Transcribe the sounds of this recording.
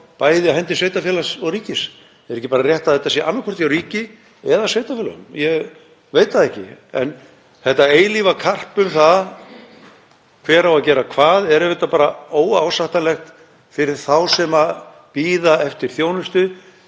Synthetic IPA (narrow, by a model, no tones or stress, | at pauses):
paːjðɪahɛnt̪ɪsveːjt̪afjɛːlasɔwɾiːcɪs | ɛɾɛçcːɪpaɾarjɛht̪aðθɛt̪ːasjɛʔanːakʰɔr̥t̪iawɾiːcɪ | ɛðasvejt̪afɛːla̰ʏ̰mjɛɣ | veːjt̪aðɛhcɪ̰ɛ̰n | θɛht̪aeːjlivakʰar̥pʏmθa | kʰv̥ɛːɾawaðcɛːɾakʰvaːðɛɾɛvɪt̪apaːɾaoːwaːwsaht̪anlɛxt̪ | fɪɾɪɾ̥θawsɛma | piːðaɛft̪ɪɾ̥θjoːwnʏst̪ʏ